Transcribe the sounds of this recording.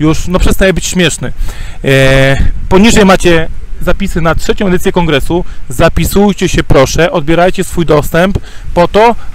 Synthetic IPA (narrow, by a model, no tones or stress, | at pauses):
juʂnɔpʂɛst̪ajɛbɘt͡ɕɕmʲjɛʂnɘ | pɔɲiʐɛjmat͡ɕɛzapʲisɘnatʂɛt͡ɕɔ̃ɛd̪ɘsʲjɛkɔŋɡɾɛsuzapʲisujt͡ɕɛɕɛpɾɔʂɛʔɔd̪̚bʲjɛɾajt͡ɕɛsfujd̪ɔst̪ɛmpːɔt̪ɔ